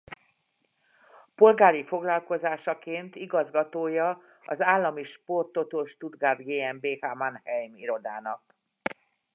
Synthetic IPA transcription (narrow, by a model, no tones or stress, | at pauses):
po̞lɡaːɾifo̞ɡlɒlko̞zaːʃɒkeːnt̪iɡɒzɡɒt̪oːjɒ | ɒzaːlːɒmiʃpo̞rt̪o̞t̪oʃt̪ud̪ɡaːd̪ɡeːɛmbeːhamanhɛjmiɾo̞d̪aːnɒk